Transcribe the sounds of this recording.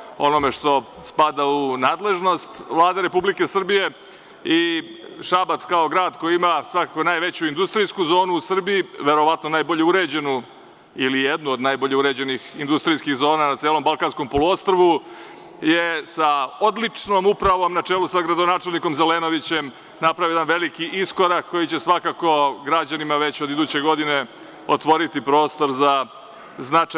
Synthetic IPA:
o̞̰no̞me̞ʂt̪o̞spad̪aunaːd̪le̞ʒno̞st̪ʋlˠaːd̪eɾe̞publike̞sr̩bije̞ | iʃabat̪skaoɡɾaːd̪kojiimasʋakakonaːjʋe̞t͡ɕuind̪ust̪ɾiskuzo̞ːnuːsr̩biiʋe̞ɾo̞ʋat̪no̞naːjbo̞ʎe̞uɾe̞ːd͡ʑe̞nu | ilijed̪nuod̪najbo̞ʎe̞uɾed͡ʑenixind̪ust̪ɾijskixzo̞ːnanat̪seːlˠo̞mbalˠkansko̞mpo̞lˠuo̞st̪ɾoʋu | jesao̞d̪lit͡ʂno̞mupɾaʋo̞mnat͡ʂeːlusaɡɾad̪o̞naːt͡ʂe̞lniko̞mzeleno̞ʋit͡ɕe̞m | napɾaʋojed̪anʋe̞likiʔisko̞ɾakkːo̞jit͡ɕe̞sʋakako̞ɡɾad͡ʑanimaʋe̞t͡ɕo̞d̪id̪uːt͡ɕe̞ɡo̞d̪ine̞ | ot̪ʋo̞ɾit̪ipɾo̞ːst̪o̞ɾza | znat͡ʂ

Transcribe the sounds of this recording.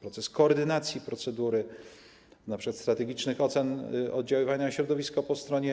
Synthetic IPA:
pɾɔt̪sɛskɔːɾd̪ɘnat̪sʲjipɾɔt̪sɛd̪uɾɘ | napʂɛkat̪st̪ɾat̪ɛɡʲit͡ʂnɘxɔt̪sɛnɔ̰d̪̚d͡ʑawɘvaɲaɕɾɔd̪ɔvʲiskɔpɔst̪ɾɔɲɛ

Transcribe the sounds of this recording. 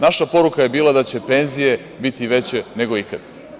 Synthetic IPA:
naʃapo̞ɾukajebiːlad̪at͡ɕe̞pe̞nzije̞ | bit̪iʋe̞t͡ɕe̞ne̞ɡo̞ikad̪̥

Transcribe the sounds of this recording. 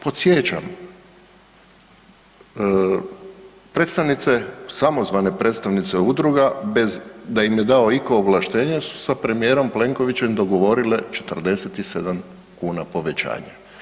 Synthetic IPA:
po̞t̪sjet͡ɕa̰m | pɾe̞t̪st̪aʋnit̪sesamo̞zʋane̞pɾe̞t̪st̪aʋnit̪seud̪ɾuɡabe̞zd̪aimje̞d̪ao̞iko̞ːʋlˠaʃt̪e̞ːɲesu̥sapɾe̞mije̞ːɾo̞mple̞ŋko̞ʋit͡ɕemd̪o̞ɡo̞ʋo̞ɾile̞t͡ʃe̞̥t̪r̩d̪e̞set̪ise̞d̪am | kuːnapo̞ʋet͡ɕa̰ːɲa

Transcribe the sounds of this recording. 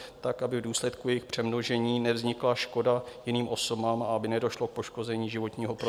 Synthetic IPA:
t̪akʔabɪvduːslɛt̪kujɛjɪxpr̝̥ɛmno̞ʒɛɲiːnɛvzɲɪklaʃko̞dajɪniːmʔo̞so̞baːmaabɪnɛdo̞ʃlo̞k̚po̞ʃko̞zɛɲiːʒɪvo̞t̪ɲiːɦo̞pɾo

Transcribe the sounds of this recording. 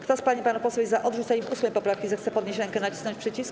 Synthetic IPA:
kt̪ɔspaɲipanupɔswuizaʔɔd̪ʐut̪saɲivusmɛjpɔpɾafkʲizɛxt̪sɛpɔd̪ɲeɕɾɛŋkɛnat͡ɕi̥snɔɲt͡ɕʲpʂɛt͡ɕis

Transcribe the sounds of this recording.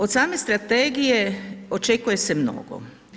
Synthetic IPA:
ot̪saːme̞st̪ɾat̪eːɡije̞ot͡ʃekuje̞se̞mno̰ɡo̰

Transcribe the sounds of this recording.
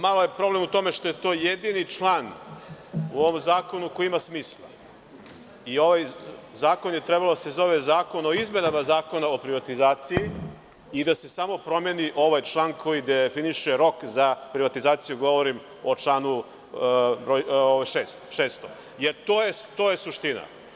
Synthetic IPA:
malojepɾo̞blemut̪o̞meʃt̪o̞jet̪o̞ːjed̪init͡ʂlˠan | uoʋomzaːko̞nukoiimasmiːslˠa̰ | io̞ʋajzaːkonjet̪ɾɛbalod̪asezo̞ʋezaːko̞no̞izme̞namazaːko̞naopɾiʋat̪izaːt̪siji | id̪ase̞samo̞pɾo̞meniʔo̞ʋajt͡ʃlˠaːnkʰo̞jid̪efiniʃeɾo̞kzapɾiʋat̪izaːt̪sijuɡo̞ʋo̞ɾim | ot͡ʃlˠaːnu | ɾooʋaʃeːst̪ʃeːst̪o | jeɾt̪oːjet̪o̞ːjesuʃt̪ina̰

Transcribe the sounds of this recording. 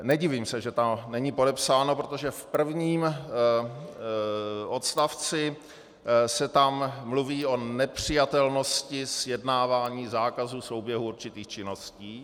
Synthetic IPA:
nɛɟɪviːmsɛʒɛt̪amnɛɲipo̞dɛpsaːnopɾot̪o̞ʒɛfpr̩vɲiːm | ʔo̞t̪st̪aft͡sɪ | sɛt̪amːluviːo̞nɛpr̝̥ɪjat̪ɛlno̞scɪsjɛdnaːvaːɲiːzaːkazuːso̞wbjɛɦuuɾt͡ʃɪt̪iːxt͡ʃɪno̞sciː

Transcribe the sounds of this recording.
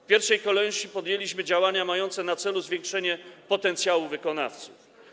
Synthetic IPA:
fpʲjɛɾfʂɛjkɔlɛɕipɔd̪ʲjelʲiɕmɘd͡ʑawaɲamajɔnt̪sɛnat̪sɛluzvʲjeŋkʂɛɲɛpɔt̪ɛnt̪sjawuvɘkɔna̰ft̪suf

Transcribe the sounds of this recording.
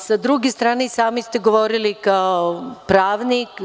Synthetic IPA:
sad̪ɾuɡest̪ɾaːnesaːmist̪eɡoʋoɾilikaopɾaːʋnik

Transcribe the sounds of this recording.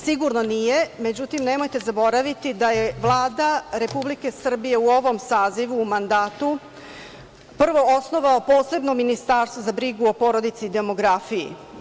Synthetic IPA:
siɡuɾno̞nije̞me̞d͡ʑut̪imne̞mo̞jt̪e̞zabo̞ɾaʋit̪id̪ajeʋlˠaːd̪aɾe̞publike̞sr̩bije̞uo̞ʋo̞msaːziʋuːmand̪aːt̪u | pr̩ʋo̞osno̞ʋaopo̞ːse̞bnomːinist̪aːɾst̪ʋozabɾiɡuo̞po̞ɾo̞d̪it̪siːd̪e̞mo̞ɡɾafijḭ

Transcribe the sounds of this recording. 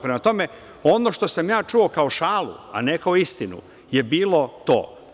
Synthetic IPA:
pɾemat̪o̞me | o̞no̞ʃt̪o̞samjaːt͡ʃuo̞kaoʃaːlṵa̰nekaoist̪inṵ | jebiːlˠo̞t̪o̰ː

